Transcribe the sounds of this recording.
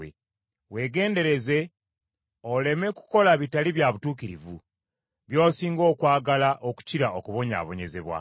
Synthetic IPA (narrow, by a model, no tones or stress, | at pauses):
ḛ | we̞ːɡe̞ːnde̞ɾe̞ze̞ | ole̞me̞ku̥ko̞laβitaliβjaβutuːkiɾivu | βjo̞ːsiːŋɡo̞ːkwaːɡalaʔoku̥ciɾaokuβo̞ɲa̰ːβo̞ɲe̞ze̞̰βwa̰